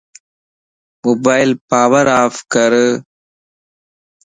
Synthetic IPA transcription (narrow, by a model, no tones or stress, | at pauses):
mɔbajlpaʋɐɾaːfkɐɾɯ